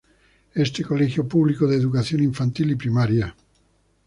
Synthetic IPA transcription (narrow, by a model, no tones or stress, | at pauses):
ɛst̪ekolɛxjopublikod̪eðukaθjoneiɱfant̪ilipɾimaɾja